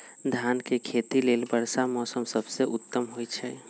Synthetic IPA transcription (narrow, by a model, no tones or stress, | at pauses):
d̪ʱjaːnkekʰeːt̪ileːlbəɾsamɔːsəmsəbseʔʊt̪ːəmɦoit͡ʃʰɛ